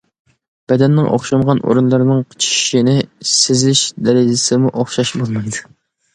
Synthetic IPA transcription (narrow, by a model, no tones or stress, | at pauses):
b̥ɛd̪ɛnːɪŋʔo̰χʃɑmʁɑnʔo̰ɾunlˠɑɾnɨŋqʰə̥t͡ʃʰi̥ʃinɪsɪzɪʃd̪ɛɾɪd͡ʒɪsɪmuʔoχʃɑʃbolˠmɑjd̪u